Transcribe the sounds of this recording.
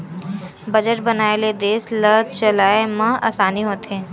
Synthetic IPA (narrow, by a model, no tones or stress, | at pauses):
bɐd͡ʒəʈ̚bɐnaːeled̪eːsləd̪̚t͡ʃɐlaːemɐ̃a̰ːsaːniɦoːt̪ɦẽː